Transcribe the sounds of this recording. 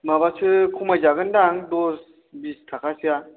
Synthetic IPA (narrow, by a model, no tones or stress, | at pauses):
mabasɯkʰumajzaɡɯndaŋdos | bistʰakʰasɯja